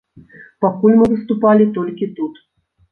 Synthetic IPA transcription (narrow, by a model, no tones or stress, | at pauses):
pakulʲmɨvɨst̪upalʲit̪ɔlʲkʲit̪ut̪